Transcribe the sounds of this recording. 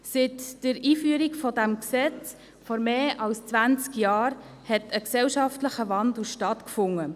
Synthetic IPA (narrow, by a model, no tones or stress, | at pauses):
sɪtd̥əɾiːfyəɾikfɔdæmksɛt͡s | fɔɾmeːʔɑlst͡svænt͡skjɑːɾ | hɛtəksɛlʃɑftləχəvɑndl̩ʃtɑtkfʊŋːə